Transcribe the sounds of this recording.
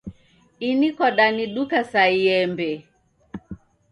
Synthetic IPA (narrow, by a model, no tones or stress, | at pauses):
inikɔɗaniɗukasaiɛmbɛ